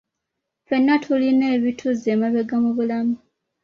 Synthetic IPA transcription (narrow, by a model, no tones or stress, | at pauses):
fe̞nːatʰuline̞ːβitʰuzemaβeɡamuβulamu